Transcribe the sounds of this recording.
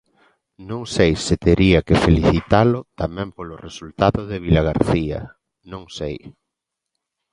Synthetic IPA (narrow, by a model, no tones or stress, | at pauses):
nõŋsejsɪt̪eɾiakɪfeliθit̪alʊt̪amɛ̃mpolʊresult̪aðʊðɪβilaɣ̞aɾθiɐ̰ | nõŋsej